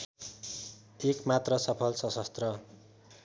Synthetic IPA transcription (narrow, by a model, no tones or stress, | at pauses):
ekmat̪rʌsʌpʰʌlsʌsʌst̪rʌ